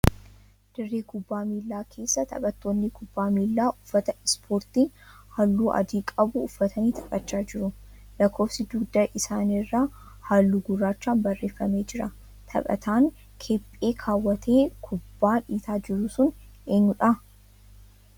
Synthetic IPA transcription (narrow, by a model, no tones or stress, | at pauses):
d̪̥ɪrːeːkʰʊbːaːmiːlːaːkʰe̞ːsːɐt̪ʰɐ̰ɓʼɐt̪ːo̞ːnːɪkʰʊbːaːmiːlːaːʔʊfːɐt̪ɐɪspʰo̞ːɾt̪iː | hɐlːuːʔɐ̰d̪iːkʼɐbʊːfːɐt̪ʰɐniːt̪ʰɐ̥bʼɐt͡ʃːaːd͡ʒɪɾʊlɐkʰːo̞ːfsɪd̪ʊɡd̪ɐʔɪsaːnɪrːa | haːlːuːɡʊrːaːt͡ʃːaːnbɐrːe̞ːfːɐme̞ːd͡ʒɪɾɐ | t̪ʰɐ̰pʼɐ̰t̪ʰaːŋ | kʰepʼːe̞ːkʰaːwːɐt̪ʰe̞ːkʰʊbːaːᶑiːt̪aːd͡ʒɪɾʊsʊne̞ːɲːʊᶑɐ